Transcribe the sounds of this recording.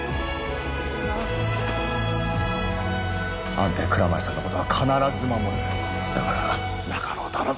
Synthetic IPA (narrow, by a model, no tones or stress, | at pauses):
ã̰nt̪eːkɯ̟ɾamasanːoko̞t̪oakʰanaɾazɨmanod̪e | d̪akaɾa | nakʰaɾoːt̪aɾa